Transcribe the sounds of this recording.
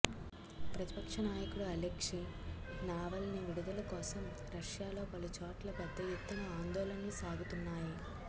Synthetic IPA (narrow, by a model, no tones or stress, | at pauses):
pɾɐt̪i̥pɐkʂɐnaːjɐkuɽuɐlekʂi | naːʋɐlniʋiɽud̪ulɐkɔːsɐm | ɾɐʂjaːlo̞ːpɐlut͡ʃoːʈlɐpɐd̪ːɐjut̪ːɐŋɐaːnd̪ɔːlɐnɐnusaːɡut̪unːaːji